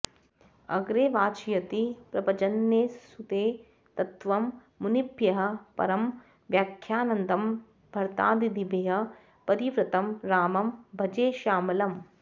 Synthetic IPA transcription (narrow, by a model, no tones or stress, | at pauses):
ɐ̰ɡɾeːʋaːt͡ʃijɐt̪ipɾɐpɐd͡ʒɐnːjeːsut̪eː | t̪ɐt̪ʋɐmː | unipjɐɦɐ̆pɐ̰ɾɐm | ʋjaːkʰjaːnɐnd̪ɐm | bʱɐɾt̪a̰ːd̪id̪ibʱeːɦɐ̆ | pɐɾiʋɾɐt̪ɐmɾaːmɐmbʱɐd͡ʒeːʃaːmɐlɐm